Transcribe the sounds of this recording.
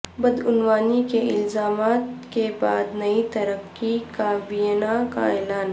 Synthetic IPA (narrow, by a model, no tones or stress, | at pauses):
bɐd̪ʊnwaːnikeɪlzaːmaːt̪keba̰ːd̪nɐit̪ɐɾəqː | ikaːbijnaka̰eːlaːn